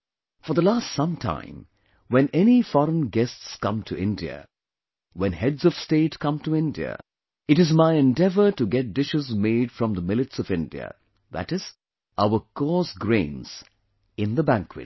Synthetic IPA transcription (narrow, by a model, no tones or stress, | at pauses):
fə˞ðəlastsʌ̃mtʰã̰ɪ̃m | wɛ̃nɛnifɔɾə̃nɡɛstskʌ̃mtʰɨʔɪ̃ndiɨ̰ | wɛ̃nhɛdzʌv̥steɪtkʰʌ̃mtuɪ̃ndiɨ̰ | ɨɾɨzmaɪɛ̃ndɛvə˞tɨɡɛt̚d̥ɪʃɨzmeɪd̥fɹʌ̃mðəmɪlˠɨtsʌvɪ̃ndiɨ̰ | ðæ̰tɨz̥ | ʔaʊə˞kʰɔsɡɹẽɪ̃nz̥ | ɪ̃nðəbæ̃ŋkʰwɨ̰t̚